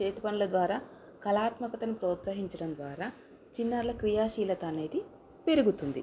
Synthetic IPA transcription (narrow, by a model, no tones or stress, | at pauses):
t͡ʃeːt̪i̥pɐnɐlɐd̪ʋaːɾaː | kɐlaːt̪mɐkɐt̪ɐnupɾɔːt̪sɐɦiɲt͡ʃɐɽɐnd̪ʋaːɾaː | t͡ʃinːɐɾlɐkɾijaːʃiːlɐt̪ɐːne̞ːd̪i | pe̞ɾuɡut̪und̪ḭ